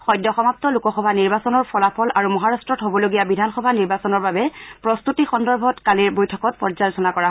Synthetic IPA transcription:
xɔjdːɔxɔmap̚tɔlukɔxɔbʱaniɹbasɔnɔɹpʰɔlapʰɔlʔaɹumɔɦaɹastɹɔtɦobɔloɡijabidʱanxɔbʱaniɹbasɔnɔɹbabɛpɹɔst̪utixɔndɔɹbʱɔtkaliɹbojtʰɔkɔt̚pɔɹzalɔsʰɔnakɔɹaɦ

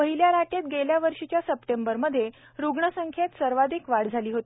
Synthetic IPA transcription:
əɦiljaɾaʈet̪̚ɡeljaʋəɾʂit͡ɕjasəpʈembəɾməd̪ʱːje | ɾuɡɳəsəŋkʰjet̪səɾʋad̪ʱiːkʋaɽd͡zʱaliːɦot̪i

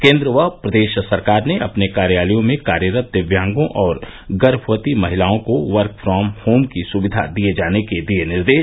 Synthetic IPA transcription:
kẽːnd̪ɾəʋəɦpɾɐd̪eːʃsɐɾkaːɾneʔɐpnekaːɾjaːlijõmẽkaːɾjəɾət̪̚d̪ɪʋjãːŋɡõʔɔːɾ | ɡɐɾpʰʋət̪imɐɦɪlaːõkoʋəɾkfɾɔːmhoːmkisʊʋɪd̪ʱa̰d̪ied͡ʒaːneked̪ienɪɾd̪eːʃ

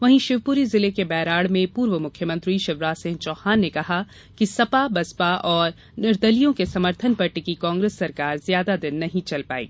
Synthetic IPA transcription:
ʋɐɦĩʃɪʋpuɾizɪlekebɛːɾaːɽmẽpuːɾʋəmʊkʰjəmɐ̃nt̪ɾiʃɪʋɾaːsɪ̃ːnt͡ʃɔːhaːnːekɐɦa | kisɐpabɐspaʔɔːɾ | nɪɾd̪əlijõkesɐməɾt̪ʰənpɐɾʈikikãːŋɡɾeːsːɐɾkaːɾzjaːd̪ad̪ɪnːɐɦĩt͡ʃɐlpa̰ːḭː

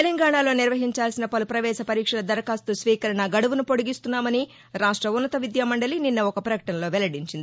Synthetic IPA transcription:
elɐŋɡaːɳaːlo̞ːniɾʋɐɦiɲt͡ʃaːlsinɐpɐlupɾɐʋɛːʃɐpɐɾiːkʂɐlɐd̪ɐɾɐkaːst̪usʋiːkɐɾɐɳɐɡɐɽuʋunupo̞ɽuɡist̪unːaːmɐni | ɾaːʂʈɾɐunːɐt̪ɐʋid̪jamɐɳɖɐlininːɐɔkɐpɾɐkɐʈɐnɐlo̞ːʋɛlɐɽiɲt͡ʃind̪ii

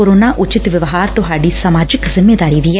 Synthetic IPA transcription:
oːɾoːnaːʔʊt͡ʃɪt̪ʋɪʋɦaːɾt̪ʊɦaːɖiːsəmaːd͡ʒɪkzɪmːeːd̪aːɾiːʋiɛː

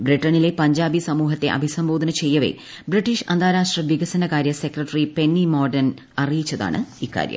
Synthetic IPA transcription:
briʈːɐnile̞pɐɲd͡ʑaːbisɐmuːɦɐt̪ːe̞ʔɐ̰bʱisɐmboːd̪ʱɐnɐt͡ɕe̞jːɐʋḛ | briʈːiʂɐnd̪ʱaːɾaːʂʈrɐʋiɡɐsɐnɐkaːɾjɐse̞krɐʈːɐripe̞nːimo̞ːrɖɐn | ɐrijit͡ɕːɐða̰ːɳɨ̰ikːa̰ːɾjɐ̰m

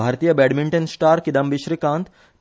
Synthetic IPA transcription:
aːɾt̪ijəbɛːɽmiɳʈənsʈaːɾkid̪ɐmbiʃɾikãːnt̪

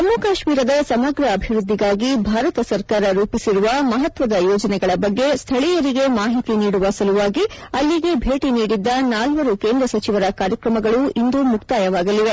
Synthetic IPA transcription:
t̪ɐmːukaːʃmiːɾɐd̪ɐsɐmɐɡɾɐːbʱiʋɾud̪ʱːiɡaːɡibʱaːɾɐt̪ɐsɐɾkaːɾɐɾuːpisiɾuʋɐmɐɦɐt̪ʋɐd̪ɐjɔːd͡ʒɐnɛɡɐɭɐbɐɡːe̞st̪ʰɐɭijɐɾiɡe̞maːɦit̪iniːɽuʋɐsɐluʋaːɡi | ɐlːiɡe̞bʱe̞ːʈiniːɽid̪ːɐnaːlʋɐɾukeːnd̪ɾɐsɐt͡ʃiʋɐɾɐkaːɾjɐkɾɐmɐɡɐɭuind̪umukt̪aːjɐʋaːɡɐliʋe̞

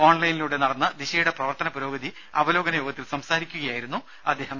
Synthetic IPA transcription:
o̞ːɳlɐjniluɽe̞nɐɽɐnːɐd̪iɕɐjuɽe̞prɐʋɐrt̪ɐnɐpɐɾo̞ːɡɐd̪i | ɐbɐlo̞ːɡɐnɐjoːɡɐt̪ːilsɐmsaːɾikʲːuɣɐjaːjiɾunːu | ɐd̪ːeːɦɐm

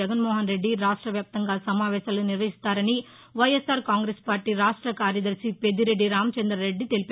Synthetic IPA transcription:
ɐɡɐnmoːɦɐnɾeɖːiɾaːʂʈɾɐʋjaːp̚t̪ɐŋɡaːlsɐmaːʋeːsɐlnɪɾʋɐɦɪst̪ːaːɾɐni | ʋɐjɛsaːɾkaːŋɡɾespaːɾʈiɾaːʂʈɾɐkaːɾjɐðɐɾsiped̪iɾeɖːiɾaːmt͡ʃɐnd̪ɾɐɾeɖːit̪elp

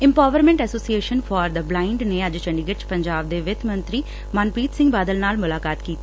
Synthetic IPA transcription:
ɪ̃mpaːʋəɾmɛ̃ɳʈɛsoːsieːʃənfʰɔːɾd̪əblaːɪɳɖneːəd͡ʒt͡ʃəɳɖɪɡət͡ʃpəɲd͡ʒaːb̚d̪eːʋɪt̪ʰmə̃nt̪ɾiː | maːnpiːt̪sɪ̃ŋɡbaːd̪əlnaːlmʊlaːkaːt̪kiːt̪i

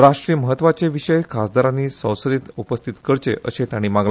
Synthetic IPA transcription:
ɾaʂʈɾiːəməɦət̪ːʋat͡ɕeʋiɕəjkʰasd̪ʱaɾãnːiːsə̃w̃səd̪iːt̪upəst̪ʰit̪kəɾt͡ɕḛʔə̰ɕet̪aɽ̃imaɡla

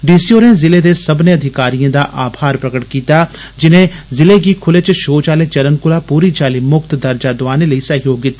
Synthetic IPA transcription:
ɖiːsioːɾẽːzɪled̪eːsəbneɐd̪ʱɪkaːɾijãd̪aːʔaːbʱaːɾpɾəkəʈkiːt̪aː | d͡ʒɪnẽːzɪleɡikʰʊlet͡ʃʃoːt͡ʃaːlet͡ʃɐɾənkʊlaːpuːɾit͡ʃaːliːmʊkt̪d̪ɐɾd͡ʒaːd̪ʊʋaːneləiːsəɦjoːɡɪt̪ːaː

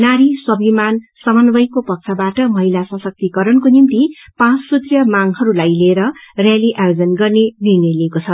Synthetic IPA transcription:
naɾisʌbimansʌmʌnbʌjkopʌk̚t͡sʰʌbaʈʌmʌɦilasʌ̃sʌk̚t̪ikʌɾʌnkonint̪i | pãt͡ssut̪rjʌmaŋhʌɾulajleːɾʌrjaliʔajod͡zʌnɡʌrnenirneleːkot͡sʰʌ

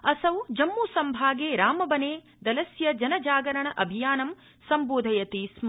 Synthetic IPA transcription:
ɐsɐwd͡ʒɐmːuːsɐmbʱaːɡeːɾaːmɐbɐneː | d̪ɐlɐsjɐd͡ʒɐnɐd͡ʒaːɡɐɾɐɳɐʔɐbʱijaːnɐm | sɐmboːd̪ʱɐjɐt̪ism

